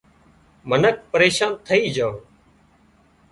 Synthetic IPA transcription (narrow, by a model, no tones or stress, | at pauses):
mənək̚ʰpəɾeːʃaːnt̪ʰəiːd͡ʒaːõː